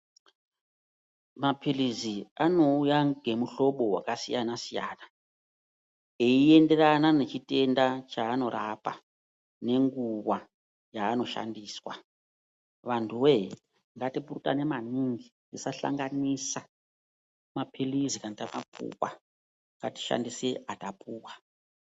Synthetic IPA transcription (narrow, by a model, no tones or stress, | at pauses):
mapiliziano̞ujaŋɡe̞muɬo̞ɓo̞ɦwa̰kasijanasijaːna | eiende̞ranane̞t͡ʃite̞ndat͡ʃaːno̞rapa̰ | ne̞ŋɡuwa | jaːno̞ʃa̰ndiːswa | ʋantʰuwe | ŋɡatipurutane̞maniŋɡindisaɬa̰ŋɡanisa | mapʰilizikanatamapʰṵwwa̰ | ŋɡati̥ʃa̰ndiseatapuːwa